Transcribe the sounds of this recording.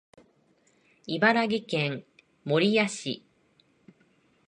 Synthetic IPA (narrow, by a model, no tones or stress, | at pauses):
ibaɾaɡʲikẽ̞ŋ | moɾʲijaɕḭ